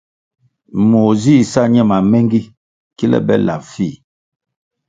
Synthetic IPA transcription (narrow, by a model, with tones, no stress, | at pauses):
mo˨zi˦˨sa˦ɲɛ˦˨ma˨mɛ˦ŋɡi˦ | ki˦lɛ̰˦bɛ̰˦la̰˨fi˦˨